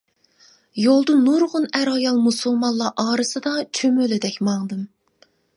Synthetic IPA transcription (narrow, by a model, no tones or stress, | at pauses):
jolˠd̪ɨnuɾʁʊnæɾɑjɑlˠmusulˠmɑnlːˠɑʔɑːɾɨsɨd̪ɑt͡ʃʰømølɪd̪ɛkʲmɑŋd̪ɨm